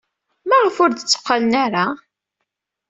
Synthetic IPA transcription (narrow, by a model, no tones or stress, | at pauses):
mæʁəfʊɾd̪ət͡sːə̥qːalənaɾa